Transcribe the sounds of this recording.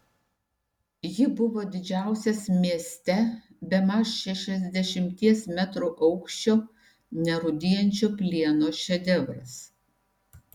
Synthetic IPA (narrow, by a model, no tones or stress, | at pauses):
jɪbʊʋoːd̪ʲɪd͡ʒʲæˑʊsʲɛsmʲiɛsʲt̪ʲɛ | bʲɛmɑsʃʲɛʃʲɛzʲd̪ʲɛʃʲɪmʲt̪ʲiɛsmʲæt̪ɾuʔɐʊkʃʲt͡ʃʲoː | nʲɛɾʊd̪ʲɪjɛnʲt͡ʃʲoːpʲlʲiɛnoːʃʲɛd̪ʲɛʋɾɐ̰s